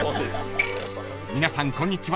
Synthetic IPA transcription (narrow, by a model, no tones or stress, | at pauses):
mʲinasãŋkõ̞ɲ̟ːit͡ɕiβa